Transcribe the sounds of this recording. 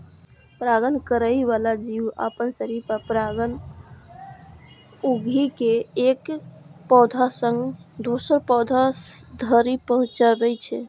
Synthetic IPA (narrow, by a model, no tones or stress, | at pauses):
pɾaɡənkəɾəjʋalad͡ʒiuə̰pənsəɾiɾpəpɾaɡən | uɡʱikeekpɔd̪ʱasə̃ŋɡd̪osəɾpɔd̪ʱad̪ʱəɾipəɦũt͡ʃabɛt͡ʃʰɛ